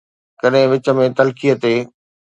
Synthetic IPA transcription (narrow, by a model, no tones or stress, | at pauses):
kɐɗɦɪ̃ʋɪt͡ɕə̆mẽt̪ɐlkijət̪eː